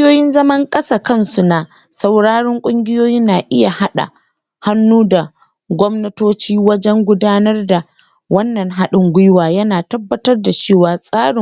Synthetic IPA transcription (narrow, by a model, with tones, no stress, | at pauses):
joː˦jɪ˦nzɐ˦mɐ˦ŋkʼɐ˦saː˨kɐ˦nsu˨na˨ | sɐ˨wɽaː˦ɽɪ˦ŋkʷʼʊ˦ŋɡʲɪ˦joː˦ji˦nnaː˨ʔɪ˦ja˨ha˦ɗa̰˨ | ha˦nːuː˦da˨ | ɡʷɔ˦mnɐ˦toː˦t͡ʃiː˦wɐ˦d͡ʒɛ˦ŋɡʷʊ˦daː˦nɐ˦rda˨ | wɐ˦nːɐ˨ŋɦa˦ɗɪ˦ŋɡʷʊ˦jwaː˨jɐ˦naː˨tɐ˦bːɐ˦tɐ˦rda˨t͡ʃeː˦˨waː˨sʼaː˦ɽɪ˨ŋ